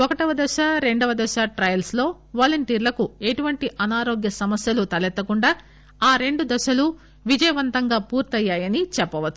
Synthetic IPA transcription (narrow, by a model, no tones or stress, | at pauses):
ɔkɐʈɐʋɐd̪ɐʃaɾe̞ɳɖɐʋɐd̪ɐʃaːʈɾɐjɐlslo̞ː | ʋaːlɐɳʈiːɾlɐkue̞ʈuʋɐɳʈiʔɐnaːɾo̞ːɡjɐsɐmɐsjɐlut̪ɐlɛt̪ːɐkuɳɖaː | aːɾe̞ɳɖud̪ɐʃɐlu | ʋid͡ʒɐjɐʋɐnt̪ɐŋɡaːpuːɾt̪ɐjːaːjɐnit͡ʃɛpːɐʋɐt̪ːu̥